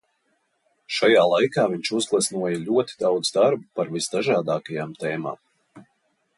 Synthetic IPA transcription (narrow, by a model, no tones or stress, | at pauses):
ʃajaːlˠajkaːviɲt͡ʃuzɡlˠɛsnuɔjalʲuɔt̪i̥d̪awd̪zd̪aɾbupaɾvisd̪aʒaːd̪aːkajaːmt̪ɛːma̰ːm